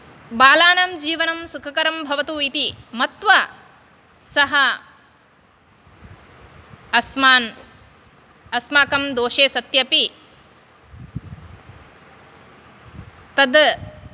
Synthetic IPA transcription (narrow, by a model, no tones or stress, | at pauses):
baːlaːnɐmd͡ʒiːʋɐnɐmsukʰɐkɐɾɐmbʱɐʋɐt̪uːit̪imɐt̪ʋɐ | sɐɦɐ | ɐsmaːn | ɐsmaːkɐmd̪oːʃeːsɐt̪jɐpi | t̪ɐd̪